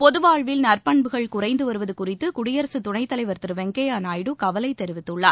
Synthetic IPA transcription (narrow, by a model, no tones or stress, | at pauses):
pɔðɯʋaːɻʋɪlnɐrpɐɳbɯɣɐɭkʊrɐɪnd̪ɯʋɐɾɯʋɐðɯkʊrɪt̪ːɯkʊɽɪjɐɾɐsɯt̪ʊɳɐɪt̪ːɐlɐɪʋɐɾt̪ɯɾɯʋɛŋɡejaːnaːjɽɯkɐʋɐlɐɪt̪ɛɾɪʋɪt̪ːɯɭːaːɾ